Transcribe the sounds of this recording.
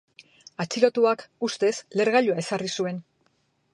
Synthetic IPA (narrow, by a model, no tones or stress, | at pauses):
at͡ʃilo̞t̪uakust̪e̞sle̞ɾɣaʎuae̞sarisue̞n